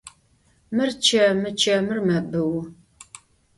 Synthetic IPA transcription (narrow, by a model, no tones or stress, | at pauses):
mɨrt͡ʃʰɐmɨt͡ʃʰɐmɨrmɐbɨw